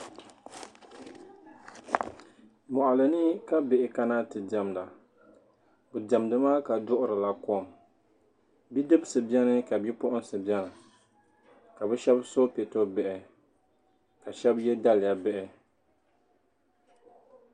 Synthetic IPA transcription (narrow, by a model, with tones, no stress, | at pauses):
mɔ˨ʔa˨lɨ˨nɨ˦ka˦bɪ˨ʔɪ˨ka˦na˦tɨ˨dɛ˨mda˨ | bɨ˨dɛ˨mdɨ˦maː˦ka˨dʊ˦ʔʊ˦ɾɨ˨la˦kɔ˦˨m | bi˦dɨ˦bsɨ˨bɛ˦nɨ˦ka˨bi˦pʊ˦ʔʊ˦nsɨ˨bi˦ɛ˦nɨ˨ | ka˨bɛ˦ʃɛ˦bso˦pɛ˨to˦bɛ˨ʔɪ˨ | ka˨ʃɛ˦bjɛ˦da˦lja˨bɛ˦ʔɪ˨